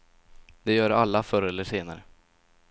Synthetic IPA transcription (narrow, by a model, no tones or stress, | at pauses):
d̪ɛjœːɾalːafœɾɛlːəʂeːnaɾə